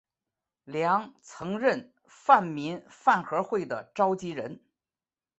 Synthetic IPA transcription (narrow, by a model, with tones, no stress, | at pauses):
ljɑ˧˥ŋt͡sʰɤ˧˥ŋɻə˥˧n | fa˥˩nmi˧˥nfa˥˩nxɤ˧˥xwe˥˩ɪd̪ə̰˩ʈ͡ʂɑ˥ʊt͡ɕi˥ɻə˧˥n